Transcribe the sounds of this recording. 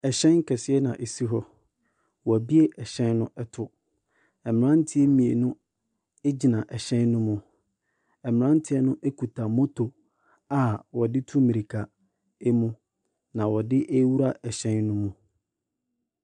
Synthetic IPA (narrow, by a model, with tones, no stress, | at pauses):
ɛ˨ɕɛ̃˦ŋ˦kʰɛ˨sɪ˦ɛ˦nã̰˨ʔe˨si˦ɦɔ˦ | wɔ˨æ˨bi˦e˦ʔɛ˨ɕɛ̃˦nːʊ̃˦ʔɛ˦tʰʊ˨ | ɛ˨m˨ɾã˦n˦tʰɪ˦e˦mĩ˨e˨nʊ̃˦ | e˦d͡ʑi˨nã˨ʔɛ˨ɕɛ̃˦nːʊ̃˦mũ˨ | ɛ˨mɪ̃˨ɾã˦n˦tʰɪ˦ɛ˦nʊ̃˦ʔe˦kʰu˨tʰa˨mɔ̃˦tʰo˨ | a˨wɔ˨dɪ˦tʰu˦mĩ˨ɾi˨kʰa˨ | e˦mũ˦ | nã˨wɔ˨dɪ˦ʔe˦wu˦ɾa˦ɛ˨ɕɛ̃˦nːʊ̃˦mũ˦